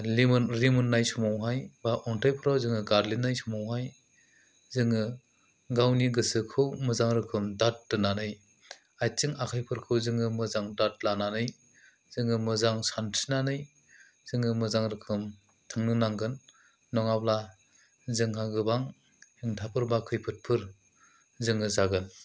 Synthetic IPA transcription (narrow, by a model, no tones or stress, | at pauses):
limɯnɾimɯnːajsɔmawɦajbaʔɔntʰajpʰɯɾawzɯŋɯɡaɾlinːajsɔmawɦaj | zɯŋɯ | ɡawniɡɯsɯkʰɯwmɯzaŋɾɯkʰɯmdat̚ːɯnanɯj | ajt͡ʃɯŋakʰajpʰɯɾkʰɯwzɯŋɯmɯzaŋdat̚lananɯj | z̥ɯŋɯmɯzaŋsantʰinanɯj | zɯŋɯmɯzaŋɾɯkʰɯm | tʰɯŋnɯnaŋɡɯnː | ɔŋabla | zɯŋhaɡɯbaŋ | hiŋtʰapʰɯɾbakʰɯjpʰɯt̚pʰɯɾ | zɯŋɯzaɡɯn